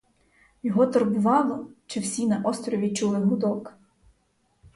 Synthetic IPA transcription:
jɔɦɔt̪eɾbʊʋɑlˠɔt͡ʃɪwsʲinɐʔɔst̪ɾɔʋʲit͡ʃulˠɪɦʊd̪ɔk

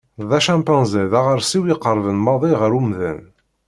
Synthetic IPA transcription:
ðæʃæ̃mpɑ̃nziðæʁəɾsiwiqːəɾˤvənmɑðˤiʁəɾumðæ̰n

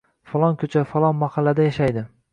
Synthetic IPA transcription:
falˠɒnkʲʰɵt͡ʃʰafalˠɒnmahɑlːad̪ajaʃajd̪ɪ

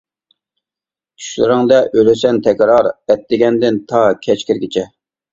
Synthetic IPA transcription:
t͡ʃʰy̥ʃlɪ̰ɾɪŋd̪ɛʔølɪsɛnt̪ʰɛkʲɾɑɾɛt̪ːɪɡʲɛnd̪ɪnt̪ʰɑkʲʰɛt͡ʃkʲiɾɡʲɪt͡ʃʰɛ

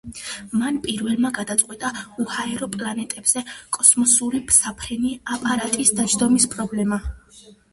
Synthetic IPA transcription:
manpʼiɾvɛlˠmaɡad̪at̪sʼqʼwɛt̪ʼauhaɛɾɔpʼlanɛt̪ʼɛbz̥ɛkʼɔsmɔsuɾipʰsapʰɾɛniapʼaɾat̪ʼisd̪ad͡ʒd̪ɔmispʼɾɔblɛma

